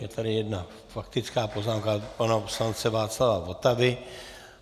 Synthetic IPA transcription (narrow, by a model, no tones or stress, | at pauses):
jɛt̪ʰaɾɪjɛdna | fakt̪ɪt͡skaːpoznaːmkapanapslant͡sɛvaːt͡slavavot̪avɪ